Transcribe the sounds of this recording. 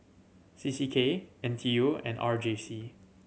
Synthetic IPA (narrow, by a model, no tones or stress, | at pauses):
sisikʰeɛ̃ntʰioɛ̰̃nʔa̰ɹd͡ʒesi